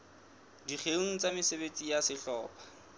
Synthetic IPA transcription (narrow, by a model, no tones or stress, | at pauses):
diχʰeŋ̩t͡sʼamɪsebet͡sʼijasɪɬɔːpʰḁ